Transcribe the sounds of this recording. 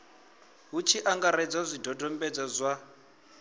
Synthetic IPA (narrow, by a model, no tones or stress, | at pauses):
ɦut͡ʃʰiʔaŋɡaɾɛd͡zazʷidɔdɔmbɛd͡zazʷa